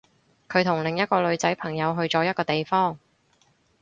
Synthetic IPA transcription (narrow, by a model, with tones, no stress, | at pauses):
kʰɵ˨˧ɥt̪ʰʊ˨˩ŋlɪ˨ŋjɐ˥t̚kɔː˧lɵ˨˧ɥt͡sɐ˨˥jpʰɐ˨˩ŋjɐ˨˧wɦɵ˧ɥt͡sɔː˨˥jɐ˥t̚kɔː˧t̪e˨jfɔː˥˩ŋ